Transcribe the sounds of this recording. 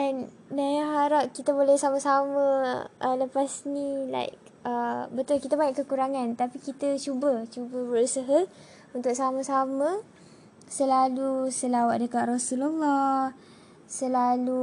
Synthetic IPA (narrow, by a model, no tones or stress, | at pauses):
dɛn | dajãɦaɾap̚kit̪abolɛhsamasamə̃ələpasnila̰jk̚ | əbət̪ʊlkit̪abaɲaʔkəkuɾaŋãnt̪apikit̪ət͡ʃubət͡ʃubəbəɾusəɦa | unt̪ʊk̚samə̃samə̃ | səlalusəlawaʔ̚dəkaʔ̪rasulalːah | səlalu